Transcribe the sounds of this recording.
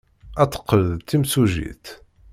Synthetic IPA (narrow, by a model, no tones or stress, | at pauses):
æt͡sːə̥qːəlðt̪ːimsuʒḭθ